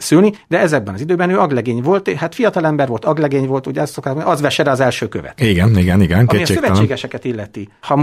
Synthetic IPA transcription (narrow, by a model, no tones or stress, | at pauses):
sylnid̪ɛɛzɛɡ̚bɛnɒzid̪øːbɛnøːɒɡlɛɡeːɲvo̞lt̪ehaːt̪fijɒt̪ɒlɛmbɛrvʋo̞lt̪ɒɡlɛɡeːɲvo̞lt̪uɟɛɛssokt̪aːkmoniʔɒzʋɛʃɛɾɛɒzɛlʃøːkøvɛ̰t̪iɡɛniɡɛniɡɛnkɒeiseːsøvɛt͡ʃeːɡɛʃɛkɛt̪ilːɛt̪ihɒ